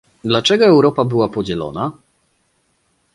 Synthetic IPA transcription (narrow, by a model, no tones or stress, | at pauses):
d̪lat͡ʂɛɡɔɛwɾɔpabɘwapɔd͡ʑɛlɔ̰na